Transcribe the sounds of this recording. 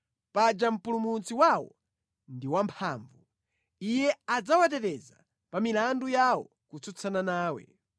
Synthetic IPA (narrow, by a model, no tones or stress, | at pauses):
pad͡ʒam̩pulumut͡siwawɔ̰ | ndiwampʰaːɱvu | ijɛad͡zawatɛɾɛza̰ | pamilandujawɔ̰ | kut͡sʰut͡sʰananaːwɛ̰